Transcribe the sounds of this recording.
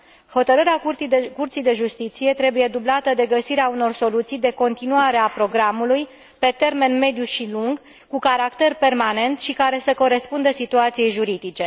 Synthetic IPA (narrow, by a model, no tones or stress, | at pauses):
ho̞t̪əɾəɾeaukurt̪sijd̪e̞ʒust̪it̪sije̞t̪ɾe̞buje̞d̪ublat̪əd̪e̞ɡəsiɾeauno̞rso̞lut̪sijd̪e̞ko̞nt̪inuaɾe̞apɾo̞ɡɾamuluj | pe̞t̪e̞rme̞nme̞d̪juʃiluŋɡ | kukaɾakt̪e̞rpe̞rmane̞nt̪ʃikaɾe̞səko̞ɾe̞spund̪əsit̪uat̪sijejʒuɾid̪it͡ʃe̞